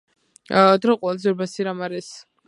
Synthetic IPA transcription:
d̪ɾɔqʼwɛlˠazɛɾbasiɾamaɾɛs

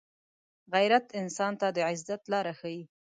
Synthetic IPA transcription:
ɣajɾat̪ɪnsɑnt̪ad̪əʕɪzat̪lɑɾaxawi

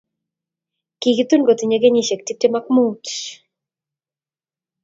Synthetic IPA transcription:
kiɡit̪unɡot̪iɲeɡeɲiʃek̚tip̚temakmut

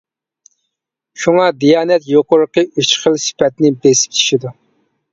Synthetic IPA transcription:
ʃuŋɑd̪ijɑːnɛt̪joqʊɾəqəyt͡ʃχəlsɪ̥pɛt̪nɪbesɪ̥p̚t͡ʃʰi̥ʃid̪u

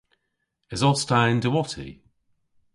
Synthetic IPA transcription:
ɪzɔstaɪ̃ndəwɔtʰḭ

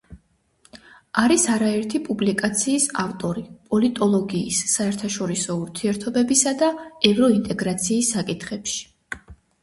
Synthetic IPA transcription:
aɾisaɾaɛɾt̪ʰipʼublikʼat̪sʰiːsaft̪ʼɔɾipʼɔlit̪ʼɔlˠɔɡiːsːaɛɾt̪ʰaʃɔɾisɔuɾt̪ʰiɛɾt̪ʰɔbɛbisad̪aɛvɾɔint̪ʼɛɡɾat̪sʰiːsːakʼit̪ʰχɛpʃi̥

